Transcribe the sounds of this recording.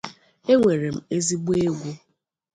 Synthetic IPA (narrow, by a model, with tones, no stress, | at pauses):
e˦ŋʷe˨ɾe˨m̩˨e˦zi˦ɡ͡bu˦e˦ɡʷu˦